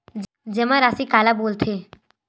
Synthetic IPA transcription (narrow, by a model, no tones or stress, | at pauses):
d͡ʒɛmãɾaːsikaːlaboːlt̪ʰeː